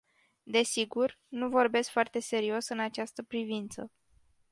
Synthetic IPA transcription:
d̪e̞siɡur | nuvo̞rbe̞skfoart̪e̞se̞ɾio̞sɨnat͡ʃast̪əpɾivint̪sə̰

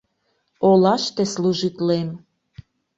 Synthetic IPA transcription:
olɑʃt̪esluʒit̪lem

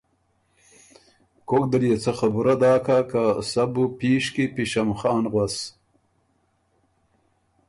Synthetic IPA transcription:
kokd̪əljet͡sʰaxɐbuɾad̪aːkakasabupiːʂkipiɕamxɑːnʁwɐs

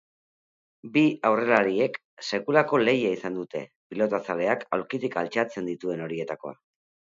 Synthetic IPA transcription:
biawre̞laɾie̞k | se̞kulako̞le̞jaisand̪ut̪e̞̰ | pilo̞t̪asale̞aka̰wɾkit̪ika̰lt͡ʃat͡se̞nd̪it̪ue̞no̞ɾie̞t̪ako̞̰a̰

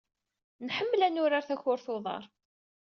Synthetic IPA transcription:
nħəmːlænʊɾaɾθæçʊɾθoðˤɑ̰ɾˤ

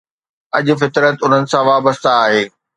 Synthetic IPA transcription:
ɐʄʊ̆fɪt̪ɾət̪ʊn̤ənɪ̆sãʋaːbəst̪aːɦeː

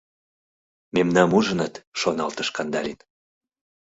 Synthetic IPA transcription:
memnɑmuʒənət̪ʃonɑlt̪əʃkɑnd̪ɑ̰lʲin

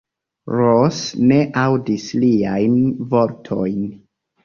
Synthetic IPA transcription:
ɾosne̞ʔawdisliajnvo̞ɾtʰo̞jn

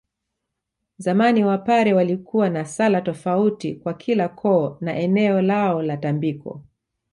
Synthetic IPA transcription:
zamaniwapaɾɛwalikuwanasalatɔfautikwakʰilakʰɔːnaʔɛnɛɔlaɔlatambikɔ̰

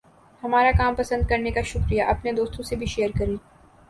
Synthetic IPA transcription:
hɐmaːɾakaːmpɐsə̃nd̪̚kɐɾnekaʃʊkɾijaʔɐpned̪oːst̪õsebʱiʃeːɾkɐɾẽː

